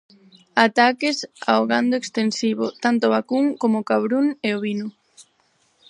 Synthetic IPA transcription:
at̪akɪsa̰oɣand̪oekst̪ensiβʊt̪ant̪oβakuŋkomokaβɾuneoβinʊ

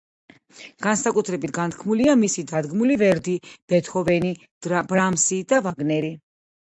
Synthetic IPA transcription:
ɡ̥ansakʼut̪ʰɾɛbit̪ʰɡant̪ʰkʰmuliamisid̪ad̪ɡmulivɛɾd̪ib̥ɛt̪ʰɔvɛni | bɾamsid̪avaɡnɛɾi

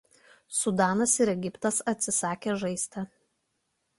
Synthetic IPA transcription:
sʊd̪ɑːnɐsɪɾɛɡʲɪpt̪ɐsɐt̪ʲsʲɪsɑːkʲeːʒɐɪsʲt̪ʲɛ

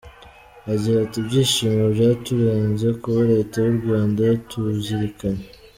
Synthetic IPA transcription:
aziɾatibɟiːʃiːmɡobjaːtuβeːnze̞kuβaɾe̞tawuɾɡwaːndatʰuziɾikaɲe

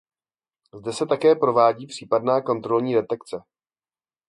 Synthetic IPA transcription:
zdɛsɛt̪akɛːpɾo̞vaːɟiːpr̥iːpadnaːko̞nt̪ɾo̞lɲiːdɛt̪ɛkt͡sɛ

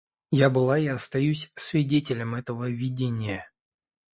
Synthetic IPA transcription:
jabɨlˠaɪɐst̪ɐjʉsʲsvʲɪdʲetʲɪlʲəmɛt̪əvəvʲɪdʲenʲɪjə

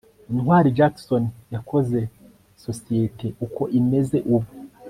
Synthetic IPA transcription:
inhwaːɾid͡ʒaksonjakʰo̞ze̞ | so̞sijetʰe̞ʔuko̞ʔime̞ze̞ʔuβo

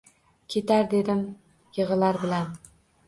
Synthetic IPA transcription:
kʲʰe̞t̪aɾd̪e̞d̪ɪm | jɨʁɨlaɾbɪlan

